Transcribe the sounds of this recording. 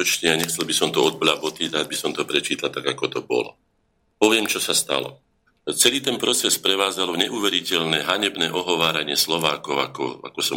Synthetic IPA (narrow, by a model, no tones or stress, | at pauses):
ɔt͡ʃɲɛaɲɛxt͡sɛlbisɔmt̪ɔɔd̪̚blabɔt̪iɾaːd̪̚bisɔmt̪ɔpɾɛt͡ʃiːt̪at̪aɡakɔt̪ɔbɔ̰lɔ̰ | pɔʋɪɛmt͡ʃɔsast̪a̰lɔ̰ | t͡sɛliːt̪ɛnpɾɔt͡sɛspɾɛʋaːd͡zalɔɲɛʔuːʋɛɾicɛʎnɛːɦaɲɛbnɛːʔɔɦɔʋaːɾaɲɪɛslɔʋaːkɔʊakɔ̰a̰kɔsɔ